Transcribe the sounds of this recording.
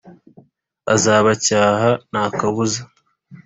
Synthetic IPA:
a̰zaːβacaːɦanaːkaβuza

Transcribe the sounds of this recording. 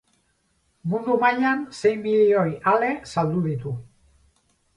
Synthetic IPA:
mund̪umaʎanse̞jmbiʎio̞jale̞sald̪uð̞it̪u

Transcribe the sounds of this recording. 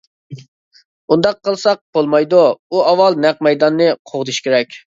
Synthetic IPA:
und̪ɑqʰːəlˠsɑq̚b̥olˠmɑjd̪uuɑwɑlˠnɛq̚mɛjd̪ɑnːɨqʰoʁd̪ɨʃkʲʰeɾɛkʲ

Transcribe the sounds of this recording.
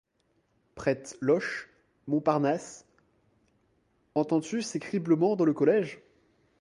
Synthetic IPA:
pχɛt̪lɔʃ | mɔ̃paʁnas | ɑ̃t̪ɑ̃t̪ysekχibləmɑ̃d̪ɑ̃ləkɔlɛʒ

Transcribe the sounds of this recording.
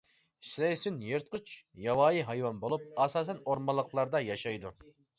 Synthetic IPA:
slɛjsynjeɾt̪̚qʰɨt͡ʃjɑwɑːjiɦɑjwɑnbolˠup̚ɑsɑːsɛnoɾmɑlˠːəqlˠɑɾd̪ɑjɑʃɑjd̪u

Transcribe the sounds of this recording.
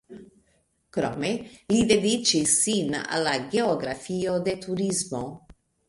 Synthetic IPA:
kɾo̰melid̪ed̪it͡ʃisina̰lːaɡeoɡɾafiod̪et̪ʰuɾizmo

